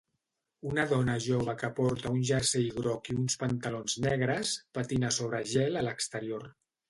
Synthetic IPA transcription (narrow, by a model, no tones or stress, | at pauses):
unəðɔnəʒoβ̞əkəpɔɾt̪əunʲʒəɾseiɣɾɔkiunspənt̪əlonznɛɣ̞ɾəspət̪inəsoβɾəʒɛlələkst̪əɾioɾ